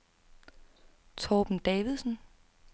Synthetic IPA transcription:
t͡sʰɒːb̥n̩d̥ɛːʋiðˠsn

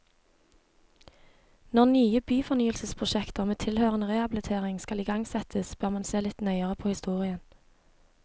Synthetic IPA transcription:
nɔʁnyːəbyːfɔnyːəlsəspʰʁʊʃɛkt̪əʁmeːt̪ʰɪlhøːʁənəʁeːhɑblət̪ʰeːʁɪŋskɑliːɡɑŋsɛt̪ʰəsb̥øʁmɑnseːlɪt̪nœʏəʁəpʰoːhɪst̪uːʁɪən

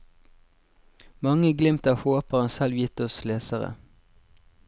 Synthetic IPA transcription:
mɑŋəɡlɪmt̪ɑːʋhoːpəʁənsɛlʋjɪt̪ɔsleːsəʁə̰

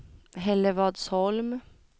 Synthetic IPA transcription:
hɛləʋɑd̪sɔlm

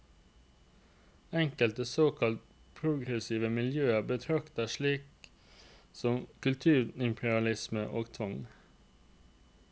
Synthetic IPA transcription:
ɛŋkəlt̪əsoːkʰɑlt̪ | pʰɾʊɡɾəsiːʋəmɪljøːəbət̪ʰɾɑkt̪əʃɭiːk | sɔmkʉlt̪ʰʉːɾɪmpʰəɾɑlɪsməʔoːɡt̪ʰʋɑŋ

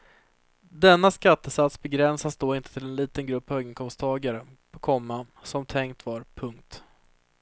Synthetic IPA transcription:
d̪ɛnːaskat̪ːəsat̪sbɛɡɾɛnsasd̪oːɪnt̪ə̥t̪ʰɪlɛnliːt̪ənɡɾɵpːhøːɡɪŋkʰɔmst̪ʰɑːɡaɾəpʰɔkʰɔmːa | sɔmt̪ʰɛŋkt̪vaɾpʰɵŋk̚t̪

